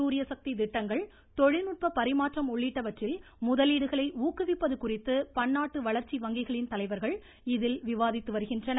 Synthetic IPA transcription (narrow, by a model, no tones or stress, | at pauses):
uːɾɪjɐsɐk̚t̪id̪ɪʈːɐŋɡɐɭ | t̪ɔɻɪnɯʈ̚pɐpɐɾɪmaːʈrɐmɔɭːiːʈːɐʋɐʈrɪl | mʊðɐliːɽɯɣɐɭɐɪuːkɯʋɪpːɐðɯkʊrɪt̪ːɯpɐnːaːʈːɯʋɐɭɐɾt͡ʃːiʋɐŋɡɪɣɐɭɪnt̪ɐlɐɪʋɐɾɣɐɭ | ɪðɪlʋɪʋaːðɪt̪ːɯʋɐɾɯɣɪndrɐnɐ